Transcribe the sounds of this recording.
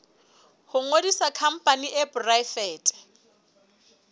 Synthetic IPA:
hʊŋodisakʰam̩pʼaniʔɪpʊrajfɛːtʼɛ̥

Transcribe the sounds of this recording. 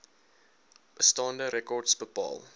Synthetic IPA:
bəstɑːndəɾɛkɔrdsbəpɑ̰ːlˠ

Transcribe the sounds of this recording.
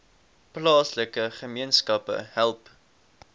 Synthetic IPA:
plɑːsləkəχəmiənskɐpə̰hælˠp

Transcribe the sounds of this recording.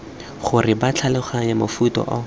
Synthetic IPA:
χʊrɪbat͡ɬʰalɪχaɲamofutɔ̰ʔɔ

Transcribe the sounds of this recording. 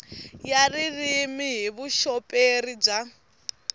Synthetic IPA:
jaririmiɦiβuʃɔpʼeɾib͡ʐa

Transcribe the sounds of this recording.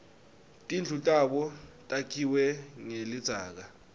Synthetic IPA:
tʼind͡ɮʱutʼaɓɔtʼakʰiwɛŋelid̥z̥ʱaːk̬a

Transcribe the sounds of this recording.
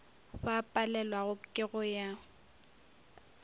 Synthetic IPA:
ɸapʼalɛlwaɣʊkʼɪɣʊja

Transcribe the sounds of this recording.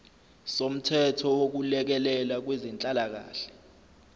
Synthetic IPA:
som̩tʰɛtʰɔwok̬ulɛk̬ɛlɛlak̬wezint͡ɬʼalak̬a̰ːɬɛ̥

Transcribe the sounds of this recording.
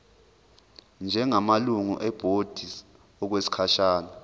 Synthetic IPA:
nd͡ʒʱɛŋamaluŋṵʔɛb̥ʱod̥ʱi | ɔk̬wesi̥kʰaʃaːna

